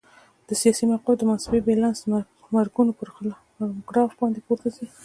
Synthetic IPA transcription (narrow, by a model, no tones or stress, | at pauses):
d̪̥əsijɑsimawqold̪əmansbebelans | maɾɡunopəɾ | ɡɾɑfbɑnd̪epoɾt̪asi